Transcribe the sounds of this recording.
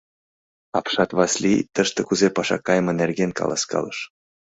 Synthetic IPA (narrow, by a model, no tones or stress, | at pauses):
ɑpʃɑt̪βɑslʲit̪əʃt̪ekuzepɑʃɑ̰kːɑjmɤnerɡenkɑ̰lɑ̰skɑ̰ləʃ